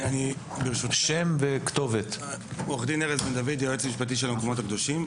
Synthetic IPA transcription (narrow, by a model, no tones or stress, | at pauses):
ani | beʁʃutʃemvekt̪o̞vet̪oχd̪ineʁet͡sbend̪avid̪jaʁet͡smiʃpat̬iʃ̬elamkomot̪akd̪o̞ʃim